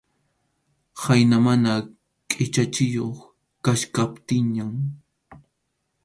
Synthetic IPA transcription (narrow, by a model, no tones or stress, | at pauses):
hajnamana | kʼɪt͡ʃat͡ʃɪjoχ | kaʃkapt̪ɪɲam